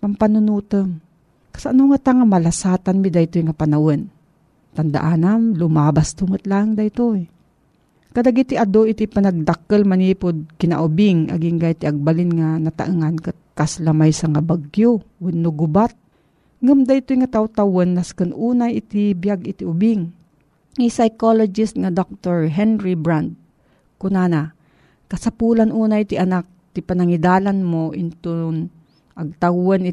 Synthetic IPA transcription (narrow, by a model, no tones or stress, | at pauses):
pampanʊnuːt̪əm | kḁsaʔanʊŋat̪aŋamalasaːt̪anmid̪ajt̪ojŋapanawon | t̪and̪a̰ʔaːnanlʊmaːbast̪umɨt̪laŋd̪ajt̪oj | kadaɡit̪iʔad̪oʔɪt̪ipanaɡ̚d̪akəlmaniːpʊd̪̚kɪna̰ʔʊbɪŋʔa̰ɡiŋɡajt̪ɪʔaɡ̚balɪnŋanat̪a̰ʔɨŋankat̪̚kaslamajsaŋabaɡjowɐdnoɡʊbat̪̚ | ŋɐmd̪aɪt̪ojŋat̪awt̪awɐnːaskɨnʔuːnajɪt̪ɪbjaɡɪt̪iʔʊbɪŋ | isajkolod͡ʒɪst̪̚ŋad̪ok̚t̪oɹɦɛnɾibɹand̪̚ | kʊnana | kɐsapuːlanʔuːnaʔɪt̪iʔɐnak̚t̪ipɐnɐŋɪd̪aːlanmoʔɪnt̪on | ʔɐɡ̚t̪awanɪ